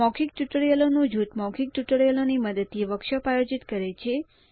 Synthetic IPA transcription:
ɔkʰik̚ʈuʈəɽjəlonod͡ʒut̪mɔkʰik̚ʈuʈəɽjəloniməd̪ət̪ːieʋəkʃəpajod͡ʒit̪kəɾet͡ʃʰe

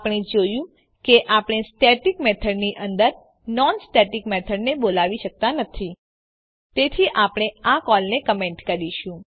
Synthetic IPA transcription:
pɽ̃ĩd͡ʒojũ | keʔapɽ̃esʈeʈikmɛt̪ʰəɖniʔənd̪əɾ | nɔnsʈeʈikmɛt̪ʰəɖnebolaʋiʃək̚t̪anət̪ʰi | t̪et̪ʰiʔapɽ̃eakɔlnekəmeɳʈkəɾiʃũ

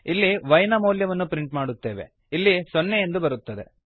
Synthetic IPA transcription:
ilːiʋɐjnɐmɐːljɐʋɐnːupɾiɳʈmaːɽut̪ːe̞ːʋe̞̰ | ilːisonːejend̪ubɐɾut̪ːɐd̪e̞̰

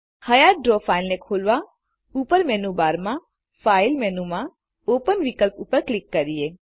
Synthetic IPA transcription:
həjaːɖɾoːpʰaːɪlnẽkʰoːlʋa | uːpəɾmɛːnubaːɾmã | fʰaːɪlmɛːnumã | oːpənʋɪkəlpuːpəɾklɪkːɐɾieː

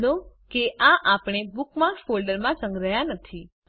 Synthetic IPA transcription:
nokeʔãʔapɽ̃ebukmaɾksfolɖəɾmãsəŋɡɾəɦjanət̪ʰi

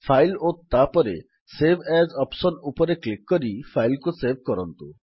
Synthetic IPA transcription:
fʰajlot̪apɔɾe | sebʱɛzɔpsonupoɾeklikːɔɾifʰajlkosebʱkɔɾɔnt̪u

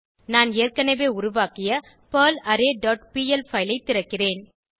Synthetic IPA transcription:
naːneːrkɐnɐʋeːʊɾʊʋaːkɪjɐ | pɐːlɐɾeːɖɔːʈ̚piːɛlfɐɪlɐɪt̪ːɪɾɐkːɪreːn

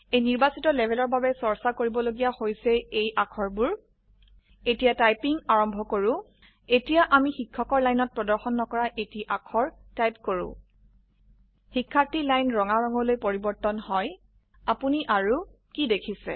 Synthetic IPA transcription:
ejniɹbasitɔlɛbʱɛlɔɹbabɛsɔɹsakoɹibɔloɡijahojsɛejʔakʰɔɹbʊɹ | etijatajpiŋaɹɔmbʱɔkoɹʊ̃ | etijaʔamixikʰːɔkɔɹlajnɔt̚pɹɔdɔɹxɔnːɔkɔɹaʔetiʔakʰɔɹtajp̚koɹʊ̰̃ | xikʰːaɹtilajnɹɔŋaɹɔŋɔlojpoɹibɔɹtɔnhɔj | apuniʔaɹu | kidekʰisɛ̰

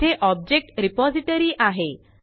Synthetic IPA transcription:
eʔɔb̚d͡ʑek̚ʈɾipɔd͡ziʈəɾiːʔaɦe

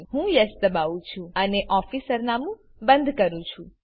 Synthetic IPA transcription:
ɦũjəst̪əbaʋũt͡ʃʰũəneʔɔfisəɾnamũ | bə̃nd̪ʱkəɾũt͡ʃʰũ

